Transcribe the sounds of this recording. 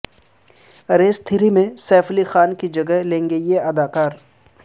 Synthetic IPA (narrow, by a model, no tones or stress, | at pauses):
ɾeːst̪ʰɪɾimẽsɛːpʰlixaːnkid͡ʒɐɡəɦlẽːŋɡejeɐd̪aːkaːɾ